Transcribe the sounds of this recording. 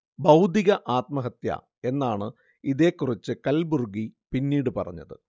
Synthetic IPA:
bɐwd̪ʱiɣɐʔaːt̪mɐɦɐt̪jɐ̰ | e̞nːaːɳɨ | iðe̞ːkːurit͡ɕːɨkɐlburɡipinːiːɽɨpɐrɐ̰ɲːɐ̰ðɨ̰

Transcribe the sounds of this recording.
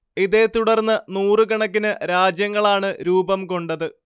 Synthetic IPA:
iðet̪uɽɐrnːɐnuːrɨkɐɳɐk̬ːinɨɾaːd͡ʑjɐŋːɐɭaːɳɨɾuːbɐmko̞ɳɖɐðɨ

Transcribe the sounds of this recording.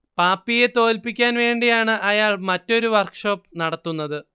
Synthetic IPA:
paːpːije̞t̪o̞ːlpikʲːaːnʋe̞ːɳɖijaːɳɨʔɐjaːɭmɐtːo̞ɾuʋɐrkʂo̞ːpːnɐɽɐt̪ːunːɐðɨ

